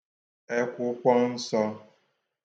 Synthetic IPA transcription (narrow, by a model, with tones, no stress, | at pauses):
e˦kʷʊ˦kʷɔ˦n̩˦sɔ˦